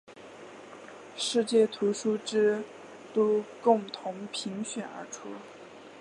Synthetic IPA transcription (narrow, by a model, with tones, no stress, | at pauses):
ʂɻ̩˥˧t͡ɕjɛ˥˩t̪ʰu˧˥ʂu˥ʈ͡ʂɻ̩˥ | t̪o˥kʊ˥˩ŋt̪ʰʊ˧˥ŋpʰi˧˥ŋɕɥɛ˨˩˦nə̰˞˧˥ʈ͡ʂʰu˥